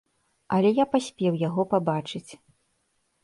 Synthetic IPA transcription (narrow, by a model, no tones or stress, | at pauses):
ɐlʲɛjapasʲpʲɛwjaɣɔpabat͡ʂɨt͡sʲ